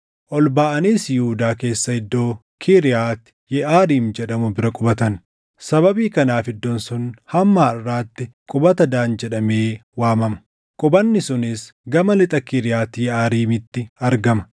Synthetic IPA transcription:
ʔɔlbaːʔɐniːsjʊuːd̪aːke̞ːsːɐhɪd̪ːo̞ː | kʰiɾɪjaːt̪ɪ̥jɛʔaːɾiːmd͡ʒɛᶑɐmʊbɪɾɐkʼʊbɐt̪ɐn | sɐbɐbiːkɐnaːfɪd̪ːɔnsʊnhɐmːaːɐrːaːt̪ːɪkʼʊbɐt̪ɐd̪aːnd͡ʒɛᶑɐme̞ːwaːmɐmɐ̥ | kʼʊbɐnːɪsʊnɪsɡɐmɐlɪt̪ʼɐkiɾɪjaːt̪ːjɛaːɾiːmɪt̪ːɪɐɾɡɐmɐ̥

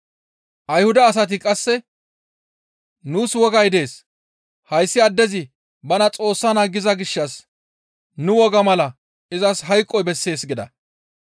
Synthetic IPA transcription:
ʔɐjhʊd̪ɐːs̬ɐt̪̬ɪkʼɐsːɛ | nuːswɔɡɐjd̪e̞ːs | hɐjsːɪɐd̪ːɛzɪ | bɐnɐt͡sʼo̞ːsːɐnaɡːɪzɐɡɪʃːɐs | nʊwɔɡɐmɐlɐ | ɪzɐsɦɐjkʼːɔjbɛsːe̞ːsɡɪd̪ɐ̰

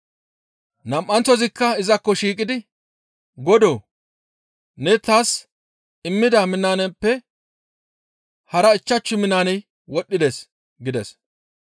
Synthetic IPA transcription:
nɐmʔːɐnt͡sːɔzɪkːɐɪzɐkːɔʃiːkʼɪd̪ɪ | ɡɔd̪oː | nɛt̪aːs | ɪmːɪd̪ɐmɪnːaːnɛpːɛ | hɐɾɐɪt͡ʃːɐt͡ʃːʊmɪnːaːnɛj | wɔɗːɪd̪es | ɡɪd̪ɛs

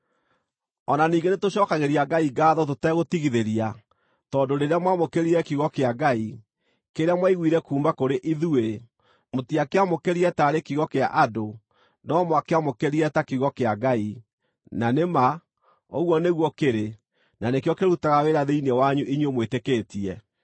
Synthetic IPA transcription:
ɔnaniːɡenetoɕɔkaɣeɾiaɡaiɡaːðɔt̬otɛɣotiɣiðeɾia | tɔːndoɾeɾeamwamokeɾiɛkiɣɔkeaɡai | keɾeamwaiɣwiːɾɛkuːmbakoɾeʔiðue | motiakeamokeɾiɛtaɾekiɣɔkea̰ʔado | nɔmwakeamokeɾiɛtakiɣɔkeaɡai | nanema | oɣwɔneɣwɔkeɾe | nanekjɔkeɾutaɣaweɾaðeinewaɲuʔiɲomwetekeːtiɛ

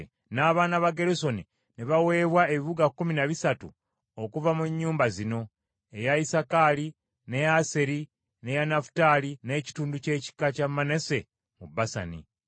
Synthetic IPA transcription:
naːβaːnaβaɡe̞ɾuso̞ni | niβawe̞ːβwaeβiβuɡakːuminaβisatṵ | okuvamuɲːuːmbazino̞ | e̞jaisakali | ne̞jaseɾi | ne̞janafu̥taline̞ːci̥tuːnduce̞ːci̥kːacamːane̞se̞ | mubasa̰nḭ

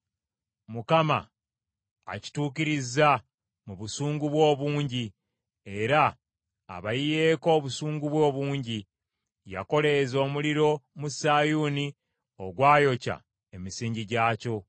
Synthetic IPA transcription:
mukama̰ː | ci̥tuːkiɾiza | muβusuːŋɡuβwo̞ːβuːɲɟi | e̞ɾa̰ː | βajije̞ːko̞ːβusuːŋɡuβwo̞ːβuːɲɟi | ja̰ko̞le̞zo̞ːmuliɾo̞musaːjuːni | o̞ɡwaːjo̞ca̰ | e̞misiːɲɟiɟaːco̞

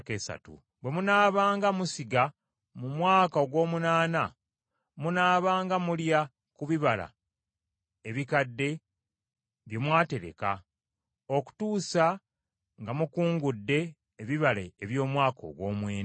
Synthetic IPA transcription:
ke̞ːsa̰tṵ | bwe̞munaːβaːŋɡamusiɡa | mumwaːkaoɡwo̞ːmunaːna | munaːβaːŋɡamulja | kuβiβala̰ | eβikadːe̞ | βje̞mwaːte̞ɾe̞̰ka̰ | o̞ku̥tuːsa | ŋɡamukuːŋɡudːe̞ː | βiβaleːβjo̞ːmwaːko̰ɡwo̞ːmwe̞ːn

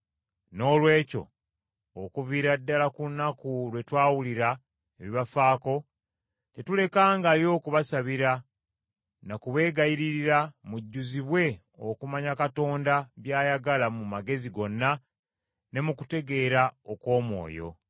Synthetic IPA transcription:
no̞ːlwe̞ːco̞̰ | okuviɾadːalakuunːakulwe̞twaːwuliɾa | eβiβafaːko̞ | te̞tule̞kaːŋɡajo̞ːkuβasaβiɾa | nakuβe̞ːɡajiɾiɾiɾamuɟːuziβwe̞ | o̞̰kumaɲakato̞ːndaβjaːjaɡalamumaɡe̞ziɡo̞nːa | ne̞mukute̞ɡe̞ːɾaokwo̞ːmwo̞̰ːjo̞̰

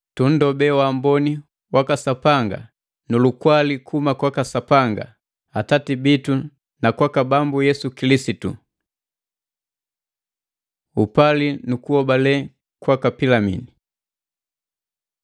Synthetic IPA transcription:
tun̩dɔbɛwambɔni | wakasapaŋɡa̰ | nulukwalikʰumakwakasapaŋɡa̰ | atatibitu | nakwakabambujɛsukilisitṵ | upalinukuhɔbalɛ | kwakapilamḭni

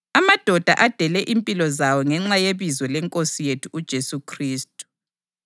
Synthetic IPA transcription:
amad̥ʱɔd̥ʱa̰ʔad̥ʱɛlɛʔimpʼilɔzawɔŋɛŋ͡ǁajeβizwɛlɛŋkʼosijetʰuːd̥ʒ̥ʱesukʰriːstʼu̥

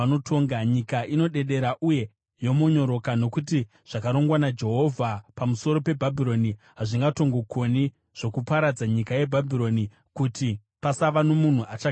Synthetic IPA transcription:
anotʰo̞ːŋɡaɲikaʔino̞ɗe̞ɗe̞ɾaʔuje̞ | jo̞moɲo̞ɾo̞kano̞kut̬i | ʐ̥akaɾo̞ŋɡwanad͡ʒe̞ɦo̞vʱapamuso̞ɾo̞pe̞bʱabʱiɾo̞ni | ɦaʐiŋɡato̞ŋɡo̞ko̞ni | ʐ̥o̞kupaɾad͡zaɲikaje̞bʱabʱiɾo̞ni | kuti | pasaʋanomun̤uʔat͡ʃa

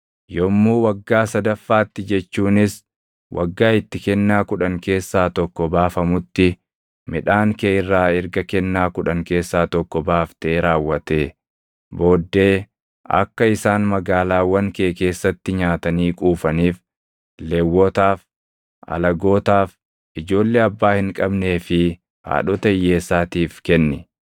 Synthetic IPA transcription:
jɔmːuːwɐɡːaːsɐd̪ɐfːaːt̪ːɪd͡ʒɛt͡ʃːuːnɪs | wʔɐ̰ɡːaːɪt̪ːɪkɛnːaːkʊᶑɐŋke̞ːsːaːt̪ɔkːɔbaːfɐmʊt̪ːɪ | mɪᶑaːŋkeːɪrːaːɪɾɡɐkɛnːaːkʊᶑɐŋke̞ːsːaːt̪ɔkːɔbaːft̪eːɾaːwːɐt̪eː | bo̞ːd̪ːe̞ː | ɐ̰kːɐɪsaːnmɐɡaːlaːwɐŋke̞ːke̞ːsːɐt̪ːɪɲaːt̪ɐniːkʼuːfɐniːf | lewːɔt̪aːf | ʔɐ̰lɐɡo̞ːt̪aːf | ʔɪd͡ʒo̞ːlːeːɐbːaːhɪŋkʼɐbne̞ːfɪ | ha̰ːɗɔt̪ɐjːe̞ːsːaːt̪iːfkɛnːɛ

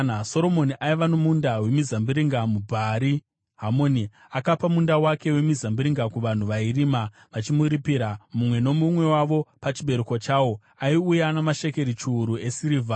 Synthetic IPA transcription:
aso̞ɾo̞mo̞niʔaiʋanomundawe̞mizambiɾiŋɡamubʱaɾi | ɦamo̞ni | akapamundawake̞we̞mizambiɾiŋɡakuʋan̤uʋairima | ʋat͡ʃimuɾipiɾamumwe̞no̞mumwe̞waʋo̞pat͡ʃiɓe̞ɾukot͡ʃaːwo̞ | aiujanamaʃe̞ke̞ɾit͡ʃuːɾue̞siɾiːvʱa

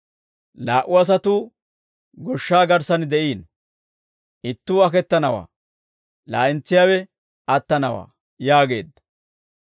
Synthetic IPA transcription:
laːʔʊɐs̬ɐt̪uː | ɡɔʃːaːɡɐɾsɐnd̪ɛʔiːn | ʔɪt̪ːuːɐkɛt̪ːɐnɐwa̰ː | la̰ːʔɪnt͡sːɪjaːwɛ | ɐt̪ːɐnɐwa̰ː | jaːɡe̞ːd̪ːɐ̥

